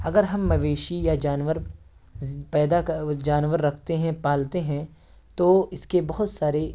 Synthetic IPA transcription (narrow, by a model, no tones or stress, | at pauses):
ɐɡəɾɦɐmːɐʋeːʃijad͡ʒaːnʋəɾ | pɛːd̪ad͡ʒaːnʋəɾːɐkʰt̪eɦɛ̃paːlt̪eɦɛ̃ | t̪oɪskebɐɦʊt̪saːɾe